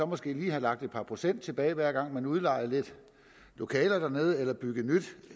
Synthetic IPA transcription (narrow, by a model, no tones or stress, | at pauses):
ɒ̽mɒ̽sɡ̥e̝̰ːliːhɑ̈lɑ̈ɡ̥̚d̥e̝d̥̚pʰɑ̈pʰʁo̝sen̰d̥t͡sʰe̝b̥ɛ̰ːɪʋæɐ̰ɡ̥ɑ̈ŋ̰mænuð̞ˠlɑ̈ɪð̩ˠle̝d̥ | lo̝kʰɛːlɐd̥æɐne̝ːð̞̩ˠelɐb̥yɡ̥ð̩nyd̥